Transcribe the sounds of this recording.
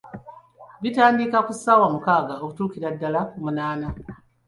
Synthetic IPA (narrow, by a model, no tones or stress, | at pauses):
βitaːndikakusaːwamukaːɡaokutuːkiɾadːalakumunaːna